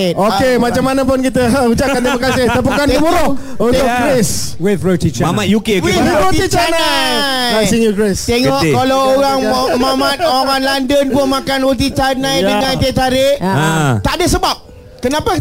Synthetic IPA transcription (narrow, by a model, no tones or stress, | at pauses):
okemat͡ʃamːanap̬ʊnkit̪əut͡ʃaʔkant̪ɾimakasɪht̪əp̬ukanibuɾo | ut̪ʊʔɡɾes | wifɾot̪it͡ʃamajukewiwiɾot̪it͡ʃanajasiŋuɡɹest̪eŋɔʔkkalawoɾaŋmamat̪̚oaŋanlandənkuəmakanwot̪it͡ʃanãjdəŋãnat̪aɾɪʔt̪adəsəbap̚ | kənãpa